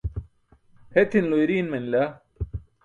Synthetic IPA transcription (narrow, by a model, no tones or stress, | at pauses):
het̪ʰinlojɾiːnmenla